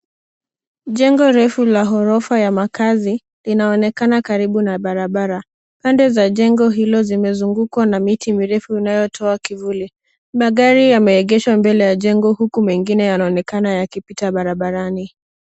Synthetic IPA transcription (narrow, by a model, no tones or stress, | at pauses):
ʄɛŋɡɔɾɛfulaɦɔɾɔfajamakazi | linaɔnɛkanakaɾiɓunaɓaɾaɓaɾa | pandɛzaʄɛŋɡɔɦilɔzimɛzuŋɡukwanamitimiɾɛfuinajɔtʰɔakivuli | maɠaɾijamɛɛɠɛʃwambɛlɛjaʄɛŋɡɔhukumɛŋɡinɛjanaɔnɛkanajakipitaɓaɾaɓaɾani